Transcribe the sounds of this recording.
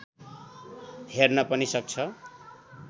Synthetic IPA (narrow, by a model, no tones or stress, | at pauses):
hernʌpʌnisʌk̚t͡sʰʌ